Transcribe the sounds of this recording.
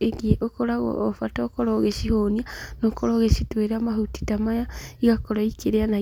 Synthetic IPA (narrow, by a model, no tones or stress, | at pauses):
eɡieʔokoɾaɣo̰ofatokoɾoɣeʃihonianokoɾoːɣeʃitweɾamahuti̥tamajaiɣakoɾoikeɾeana